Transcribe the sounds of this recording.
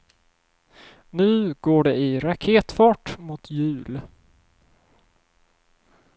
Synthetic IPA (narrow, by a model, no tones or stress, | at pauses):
nʉ̟ːɡ̥oːɖɛɪɾakʰeːt̪fɑːʈmʊt̪ʰjʉ̟ːl